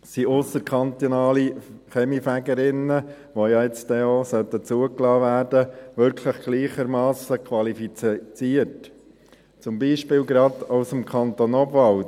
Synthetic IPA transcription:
siʔʊsəɾkʰɑnt̪onɑːliχɛmifæɡəɾɪnːə | ʋojɑɛt͡stɛosœt̪ːət͡suəklɑːvæːɾdəʋʏɾkʰləχɡ̥liːχəɾmɑːsəkʰʋɑlifit͡st͡siəɾt | t͡sʊmbiːʃpɪːlɡɾɑd̪aʊsəmkʰɑnt̪onɔbvɑl

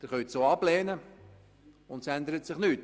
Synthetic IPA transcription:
d̥̪ɪɾχœɥt̪soːɑbleːnə | ʊntsænd̪əɾət̪sɪχnyːt

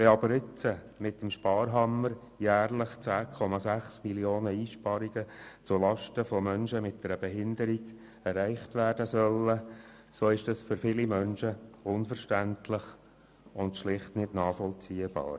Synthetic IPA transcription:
ʋɛɑbəɾɪt͡sə | mɪtəmʃpɑːɾɦɑmːəɾ | jæːrləχt͡sæːkʰɔmɑsæχsmiljoːnəiːʃpɑɾiɡət͡sʊlɑʃtəfɔmœnʃəmɪt̚d̥ɛɾəb̥ɛɦɪnd̪əɾiɡ̥ | ɛɾæɪχtʋæːrdəsœlːə | soːɪʃd̥ɑsfʏɾfɪlimœnʃəʊnfəɾʃtæntlɪχ | ʊndʃlɪχtnɪdnɑːfɔlt͡siːəb̥ɑ̰ːɾ

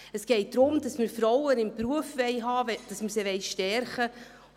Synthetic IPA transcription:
əsɡ̥ɛɪt̚d̥ɾʊmd̥ɑsməɾfɾɔwənɪmpɾuəfʋɛjɦɑːd̥ɑsməseʋɛɪʃtɛɾχə

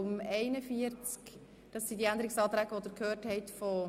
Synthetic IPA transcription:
ʊmɛɪnəfiəɾt͡sk | d̥ɑsːidiænd̪əɾɪksɑːt̪ɾæɡəʋod̥̪əɾkʰhøːrthɛɪtfɔ

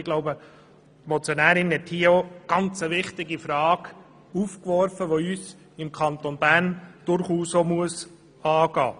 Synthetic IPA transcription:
ɪɡlɔʊbə | tmɔt͡sjonæːɾɪnhɛthiːəoɡ̥ɑnt͡səʋɪχtɪɡifɾɑːɡ | uːfkʋɔrfəʋoyːs | ɪmkʰɑnt̪onb̥æɾnd̥ʊɾχuːsomuəs | ɑːɡɑ̰ː

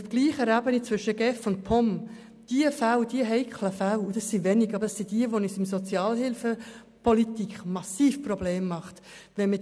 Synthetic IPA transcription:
ʊfɡ̥liːχəɾæːbənit͡svʏʃəɡɛfʊnt̚pʰɔm | d̥iəfæwd̥iəɦɛɪkʰləfæwud̥ɑsivɛniɡɑbəɾd̥ɑsid̥iəʋonisɪmsot͡sjɑːlhɪlfə | pʰɔlitikχmɑsiːfprɔb̥leːmːɑχtʋɛnmɪ

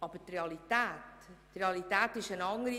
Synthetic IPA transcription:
ɑːb̥ətrealitɛːtː | realit̪aːtɪʃənɑŋɾi

